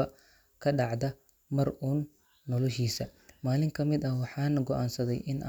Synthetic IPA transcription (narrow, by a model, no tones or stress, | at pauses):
ɐ | kʰɐɖɑʕd̪ɐ | mɐrʔuːnː | ɔlɔʃiːsɐmaːlɪŋkʰɐmɪd̪ɐhwɑħɑːnɐɡɔʔaːnsɐðɛjʔɪnʔa̰